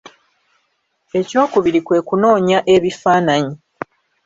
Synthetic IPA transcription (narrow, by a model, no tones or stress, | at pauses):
e̞co̞ːkuβiɾikwe̞ːkuno̞ːɲaʔe̞βifaːnaɲi